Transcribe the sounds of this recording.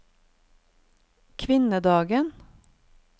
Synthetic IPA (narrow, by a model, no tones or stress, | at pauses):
kʰʋɪnəd̪ɑːɡən